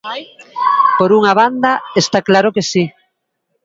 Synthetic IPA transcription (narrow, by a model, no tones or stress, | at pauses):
poɾuŋaβ̞and̪ɐest̪aklaɾʊkesi